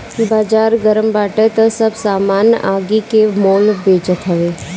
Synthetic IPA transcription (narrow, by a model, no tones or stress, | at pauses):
baːd͡ʒaːɾɡəɾəmbaːʈət̪ɐsɐbsaːmaːnjə̰ʔaːɡikemoːlbeːt͡ʃət̪ɦəʋeː